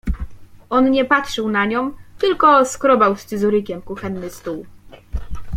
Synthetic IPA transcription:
ʔɔnɲɛpatʂɘwnaɲɔ̃w̃t̪ɘlkɔskɾɔbawst͡s̪ɘzuɾɘkʲɛmkuxɛnːɘst̪uw

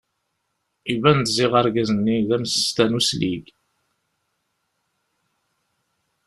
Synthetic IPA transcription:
ivænt̪zɪʁəɾɡæzənːiðæmsə̥st̪ænuslḭɡ

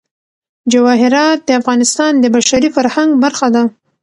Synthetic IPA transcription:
d͡ʒawɑɦɪɾɑt̪̚d̪əafɣɑnɪst̪ɑnd̪əbaʃaɾifaɾhaŋɡbaɾxad̪a

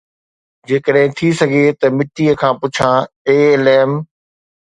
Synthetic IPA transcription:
d͡ʑeːkəɗɦɪ̃t̪ʰisɐɡʱet̪ɐmɪʈːiəkʰãːpʊt͡ɕʰãːeːlɛːm

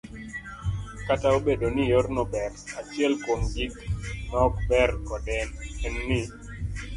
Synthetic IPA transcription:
kataobedonijornɔbɛrat͡ʃɛlkoŋɡiknɔk̚bɛrkɔdɛnɛnːɪ

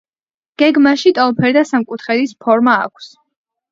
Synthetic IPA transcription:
ɡ̥ɛɡmaʃit̪ʼɔlˠpʰɛɾd̪asamkʼut̪ʰχɛd̪ispʰɔɾma̰ːkʰs

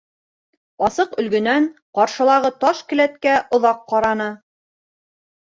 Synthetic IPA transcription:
ɑsɤqɵ̆lɡɵ̆nænqɑɾʃɤ̆lˠɑʁɤt̪ɑʃkɘ̆læt̪kæʔŏðɑqːɑɾɑnɤ

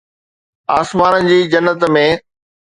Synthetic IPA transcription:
aːsmaːnənɪ̆d͡ʑiːd͡ʑɐnːət̪mẽː

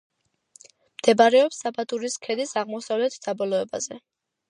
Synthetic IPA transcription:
md̪̥ɛbaɾɛɔpsːabat̪ʼuɾiskʰɛd̪isaʁmɔsavlɛt̪ʰd̪̥abɔlɔɛbazɛ

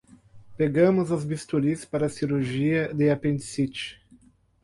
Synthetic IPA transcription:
peɡɐ̃mʊzɐzbist̪ulispaɾɐsiɾuʒiɐd̪eapẽnd͡ʒ̪sit͡ʃɪ̥

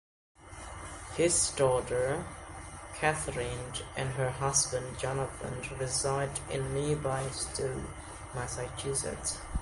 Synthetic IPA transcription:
hɪzdɔɾə˞ | kʰæθɹɪ̃nʔɨ̃nə˞ɦʌzbə̃nd͡ʒɑnəθə̰̃ndɹɪzaɪdɪ̰̃nːibaɪstʰu | mæsɨt͡ʃʉsɨ̰t

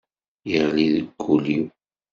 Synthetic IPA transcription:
jəʁliðəɡːuliw

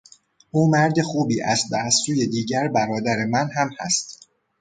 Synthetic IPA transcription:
ʔuːmæɾd̪e̞xuːbiːʔæsd̪æːssuːje̞d̪iːɟæɾbæɾɒːd̪æɾe̞mænɦæmhæ̰st̪

